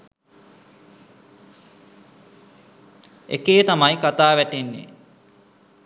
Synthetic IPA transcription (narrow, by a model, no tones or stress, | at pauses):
ḛkeːt̪amajkat̪aːʋæʈenːḛ